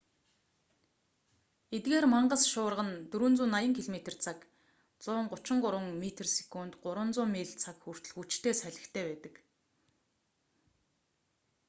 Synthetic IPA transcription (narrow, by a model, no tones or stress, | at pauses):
et̪̚ɡeːrmaɴɢə̆sʃʊːrʁə̆nt̪ɵɾŭnt͡suːnajə̆ŋkʰiɮmet̪ĕrt͡sʰak | t͡sʊːɴɢʊt͡ɕɪ̆ɴɢʊɾwə̆ŋmet̪ʰerse̥kuːnt̪ɢʊɾwə̆nt͡sʊːmːeːɮt͡sʰakxur̥t̪ɵ̆ɮxut͡ɕt̪ʰeːsæɮʲɪ̆kt̪ʰeːpæːt̪ə̆k